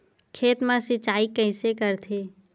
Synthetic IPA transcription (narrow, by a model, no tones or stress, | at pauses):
kʰeːt̪mãsɪt͡ʃaːikəɪsekəɾt̪ʰeː